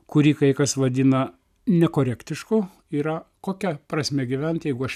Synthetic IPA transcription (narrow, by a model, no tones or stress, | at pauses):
kʊɾʲiːkɐɪkɐsʋɐd̪ʲɪnɐ | nʲɛkoːɾʲæːkt̪ʲɪʃkʊ | iːɾɐkoːkʲɛpɾɐsʲmʲɛɡʲiʋʲɛnʲt̪ʲjɛɪɡʊɐʃ